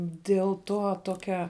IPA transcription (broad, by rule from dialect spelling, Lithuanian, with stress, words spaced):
dʲiɛlˠ ˈtoː ˈtoːkʲɛ